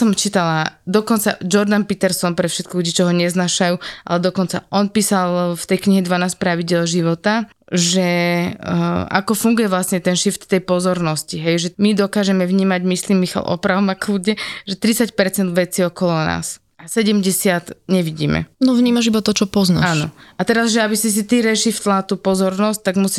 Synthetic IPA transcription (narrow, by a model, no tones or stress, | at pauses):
sɔmt͡ʃiːt̪alad̪ɔkɔnt͡sa̰d͡ʒɔɾd̪anpit̪ɛɾsɔnpɾɛfʃɛt̪̚kɔluɟit͡ʃɔɦɔɲɛznaːʃajuːʔa̰lɛd̪ɔkɔnt͡sa̰ʔɔnpiːsalft̪ɛjkɲiɦɛd̪ʋanaːsc̚pɾaʋiɟɪɛlʒiʋɔt̪a | ʒɛ | a̰kɔfuŋɡujɛʋlasɲɛt̪ɛnʃift̪t̪ːɛjpɔzɔɾnɔsciɦɛjʒɛmid̪ɔkaːʒɛmɛʋɲiːmaɟmisliːmːixa̰lʔɔ̰pɾaʊmakluːɟɛʒɛt̪ɾit͡sacpɛɾt͡sɛnd̪ʋɛt͡siːɔkɔlɔna̰ːs | asɛɟɛmɟɛsɪat̪ɲɛʋiɟḭːmɛ̰nɔvɲiːmaʒibat̪ɔt͡ʃɔpɔznaːnɔat̪ɛɾazʒɛabisis̬it̪iɾɛʃift̪lat̪uːpɔzɔɾnɔsc̚t̪aɡmusi